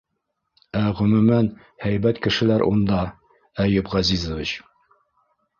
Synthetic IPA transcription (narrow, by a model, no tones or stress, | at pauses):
æʁɵ̆mʉ̆mæn | hæjbæt̪kɘ̆ʃɘ̆læɾʔṵnd̪ɑ | æjɘpʁɑzizŏvit͡ɕ